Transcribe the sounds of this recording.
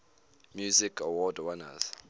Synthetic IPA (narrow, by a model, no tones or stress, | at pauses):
mjuzikʰawɔdwana̰z